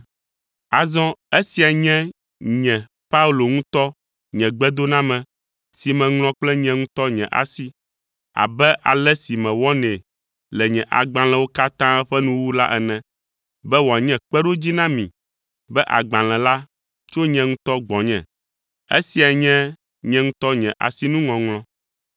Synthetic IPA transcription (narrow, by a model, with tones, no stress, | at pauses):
a˨zɔ̃˦e˦si˨a˨ɲɛ̃˦ | ɲɛ̃˨ | pa˦u˦lo˨ŋũ˦t̪ɔ˦ | ɲɛ̃˨ɡ͡bɛ˦d̪o˦nã˦mɛ̃˨ | si˨mɛ̃˨ŋl̃ɔ̃˦k͡plɛ˦ɲɛ̃˨ŋũ˦t̪ɔ˦ɲɛ̰̃˨ʔa̰˨si˦ | a̰˨bɛ˦ʔa̰˨lɛ˦si˨mɛ̃˨wɔ˦nɛ̃˨ | lɛ˨ɲɛ̃˨ʔa̰˨ɡ͡bã˨lɛ̃˨wo˦ka˦t̪ã˦ɸɛ˦nũ˦wu˦la˦ʔɛ˨nɛ̃˨ | bɛ˦wo˨a˨ɲɛ̃˦k͡pɛ˦ɖo˦d͡ʑi˦nã˦mĩ˨ | bɛ˦ʔa̰˨ɡ͡bã˨lɛ̃˨la˦ | t͡ʃo˦ɲɛ̃˨ŋũ˦t̪ɔ˦ɡ͡bɔ̃˨ɲɛ̰̃˨ | ḛ˦si˨a˨ɲɛ̃˦ | ɲɛ̃˦ŋũ˦t̪ɔ˦ɲɛ̃˨ʔa̰˨si˦nũ˦ŋɔ̃˨ŋlɔ̃˦